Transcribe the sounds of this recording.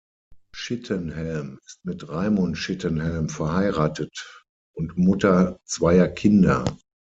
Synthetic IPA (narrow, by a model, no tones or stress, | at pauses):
ʃɪtʰənhɛlmɪstmɪtʁaɪmʊntʃɪtənhɛlmfɛɐhaɪʁaːtət | ʊntmʊtɐt͡sv̥aɪɐkʰɪndɐ̰